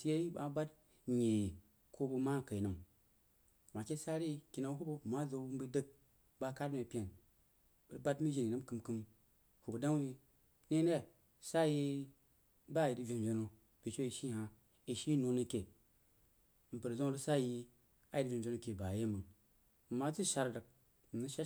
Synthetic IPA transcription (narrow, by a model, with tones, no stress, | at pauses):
si˦je˦ji˦ɓa˨˦ba˦t | ɲi˨ | kʰo˦bu˧ma˦˨ka˨i˨nɨ˨m | wa˨ke˦sa˦ɾi˦ki˨na˨˦ɦu˦bo˦˨ma˦zo˨˦mbə˦də˦k̚ | ba˦ka˦te˨pʲe˨n | bə˨ɾba˦tmi˦ʒi˨n˨i˨nɨ˦m˦kɨ˨mkɨ˦m | hu˨bu˨da˦i˦ | ne˦n˦e˦˨ | sa˦ji˦ | ba˦˨ji˨dvʲe˨n˨d͡ʒo˨no˨ | b̥i˨t͡ʃo˦i˨ʃi˦ɦa˨ | i˨ʃi˦no˦nɨ˧ke˨˦ | m̩˨pə˨ɾzo˦lu˦sa˦ji˦˧ | a˦ji˨dvʲe˨n˨d͡ʒno˦ke˨ba˨je˦mɨ˨ | m̩˨ma˦t͡su˦ʃa˧ɾdə˨k̚ | m̩˨nɨ˦ʃa˦